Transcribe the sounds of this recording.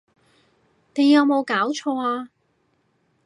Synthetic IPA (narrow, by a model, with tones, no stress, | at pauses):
ne˨˧jɐ˨˧wmo˨˧wkaː˨˥wt͡ʃʰɔː˧aː˧